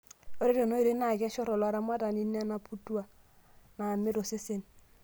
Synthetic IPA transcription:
o˨˦ɾe˦do˨no˦i˨ɾe˦na˦˨ɡa˦ʃɔ˦ɾɔ˨lwa˨˦ɾa˦m˦a˦da˨ni˦nːe˦a˦na˨pʰu˦tu˦a˨ | na˨nme˦ɾo˨se˦se˦n

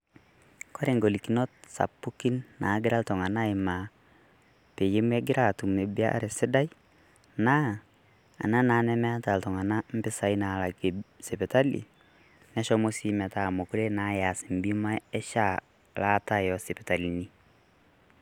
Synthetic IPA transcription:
kɔ˦ɾe˨ŋɡo˨li˨ki˨nɔ˦t̚sa̰˨pːu˦ki˦nːa˨˦ɡɪ˦ɾa˦ltɔ˨ŋa˨na˦i˨ma˨ | pe˨je˦mwɛ˦ɡɪ˦ɾa˦˨tu˨mne˨bi˦a̰˦ɾe˨sɪ˦da˦j | na˦ | a̰˨na˦na˨˦nɛ˦mɛ˦a˦ta˨ltɔ˨ŋa˨na˦m̩˦bɪ˦sa˨˦i˦na˨la˨ɡsɛ˨pɛ˨ta˦lḭ˨ | nɛ˦ʃɔ˦mo˦si˦mɛ˨ta˨mo˨ku˦ɾe˦na˨˦ja˨si˨m˨bi˦ma˦ɛ˦ʃa˦ | la˨˦ta˦jɔ˨si˨pɛ˨ta˨li˨ni˦

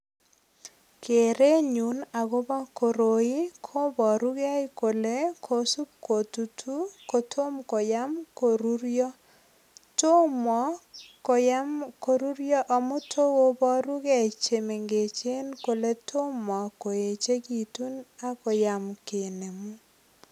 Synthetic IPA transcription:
kʰe˨ɾe˦ɲu˨na˨ɡo˦ba˦ko˨ɾo˨i˦kʰo˦bɔ˨ɾu˦ɡɛ˦ɪ˦ko˨le˦kʰo˨su˦p̚ko˨tu˨tʰu˦ko˨tʰo˦mko˨ja˦mko˨ɾu˦ɾjɔ˦ | to˦mɔ˨˦ko˨ja˦mko˨ɾu˦ɾjɔ˦ʔɔ˨mʊ˦tʰo˦wo˦bɔ˦ɾu˦ɡɛ˨t͡ʃe˨me˨ŋɡe˨t͡ʃe˦nko˨le˦tʰo˦mɔ˨ko˨e˨t͡ʃe˦ki˨tu˦na˦kɔ˨ja˨mke˨ne˨mu˦

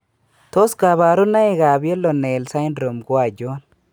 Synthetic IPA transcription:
t̪o˦sɡa˨βaː˨ɾʊ˦nːɐ˦je˨ɡaː˨bjɛ˦lːɔ˨nːe˨ɛ˨lsa˦jɪ˦nɾo˨mɡʊ˦wa˨d͡ʒo˦n

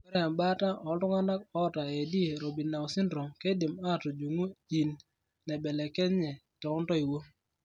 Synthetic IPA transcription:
ɛ˦ɾɛ˨mba˦ta˦ʔɔ˨dʊ˦ŋa˦na˦k̚ɔ˦ɔ˦˨ta˨e˨di˦e˨ɾo˨bi˨na˨ɔ˨sɪ˦ndɾo˨ŋke˦dɪ˨ma˦˨tɔ˨d͡ʒu˨ŋu˦i˨n | nɛ˨bɛ˨lɛ˨kɛ˦ɲɛ˨ | tɔ˨ʊ˦ntɔ˦i˨wo˦

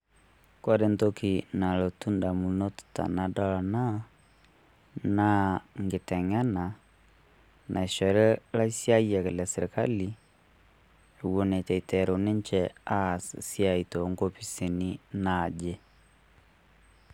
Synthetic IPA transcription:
kɔ˦de˦nto˦ki˨na˨lo˨tu˦nda˨mu˨no˦tta̰˨na˨dɔ˦la˨na˦ | na˦ŋɡe˨tɛ˨ŋɛ˦na˨ | nʔa˨e˨ʃɔ˨ɾɛ˦la˦i˦sja˦ia˨ke˨lja˨sɛ˨ɾe˨ka̰˦li˨ | e˨wo˨ne˨t͡ʃɛ˨i˨tɛɾo˨ne˦ɲt͡ʃɛa˦˨ssja˨i˨to˨˦ŋɡo˦pi˦si˨nina˨d͡ʒe˦

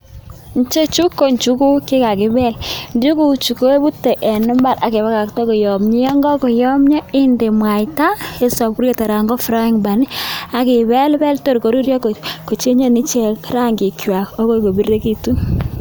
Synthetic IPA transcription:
n˦t͡ʃe˦t͡ʃu˦kːo˨ɲt͡ʃu˦ku˦kɪ˦ka˨kɪ˦bɛ˦lndju˦ku˨t͡ʃu˨ko˦e˦bu˦tːe˨ʔe˨nʊ˦mba˦ɾa˨ke˨βa˦ka˨ktɔ˦ko˨jɔ˨mɲi˦jɔ˦ŋɡɔ˦kɔ˨jɔ˦mɲɔ˦ɪ˦nde˨mwa˨jta˦e˦sɔ˨p̚ku˦ɾe˦˨ta˨ɾa˨ŋɡɔ˦fɾa˦i˦ŋba˨ni˦a˨ki˨bɛ˦lbɛ˦lto˦ɾko˨˦ɾu˦ɾjɔ˦kko˨t͡ʃe˦ɲo˦ni˦t͡ʃe˦˨kɾa˦ŋɡi˨kjwa˨kɔ˦ko˦ko˨bi˦re˦ki˦tu˦

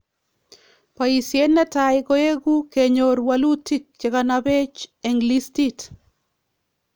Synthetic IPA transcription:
pa˨i˨sje˦nːɛ˦taɪɡo˦e˦ɡu˦ke˨ɲo˨ɾwalu˦ti˦k̚t͡ʃe˨kanabe˦t͡ʃeŋɡlisti˦t

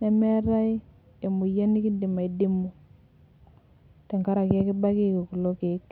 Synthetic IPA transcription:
nɛ˨mɛ˦ɾa˦ | e˨mu˨ja˦ni˦ki˦dɪ˨ma˨i˨dɪ˦mu˨ | tɛ˨ŋka˦ɾa˨ka˦kɪ˦ba˦ki˦ko˨ku˨lo˦ke˨˦k

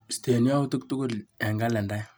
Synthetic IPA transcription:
ste˨nja˦u˦tu˦k̚tu˦ɡʊ˦lɛ˨ŋɡa˦lɛ˨nda˦j

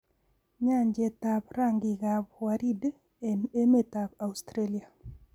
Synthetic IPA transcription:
ɲa˦ɲd͡ʒɛ˨ta˨pɾa˦ŋɡɪ˨ɣabwaɾi˦d | ene˦me˦ta˨pa˨ust̪ɾe˦li˨a˨

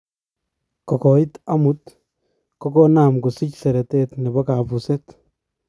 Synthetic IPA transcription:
kɔ˨kɔ˨i˦t̪a˦mu˨˦t̪ | kɔ˦kɔ˦na˨mɡu˨si˦csɛ˨ɾɛ˨tɛ˦t̪ni˨bɔ˦ka˨bu˨sɛ˦t̪

